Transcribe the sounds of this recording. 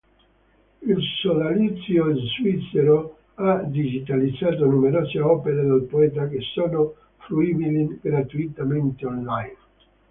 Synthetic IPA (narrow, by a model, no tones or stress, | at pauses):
ilsolalit̪sjozvit̪seɾo | ad̪id͡ʒit̪alid̪zːaːt̪onumeɾɔːseɔːpeɾed̪elpoɛːt̪̬akesːoːno | fluibiliɡɾat̪uit̪ament̪eonlajn